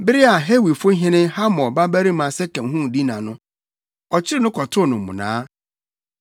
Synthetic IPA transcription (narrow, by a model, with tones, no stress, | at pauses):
bɪ˦ɾɪ˦a˨ɦe˦wi˨fʊ˦ɦɪ̃˦nɪ̃˦ha˦mɔ̃˨ba˦bæ˦ɾi˦mã˨sɛ˦kɛ̃˨ɦũ˦˨di˦nã˨nʊ̃˦ | ɔ˨t͡ɕʰɪ˦ɾɪ˦nʊ̃˦kʰɔ˨tʰʊ˦˨nʊ̃˨m̩˨mʊ̰̃˨nã̰ː˦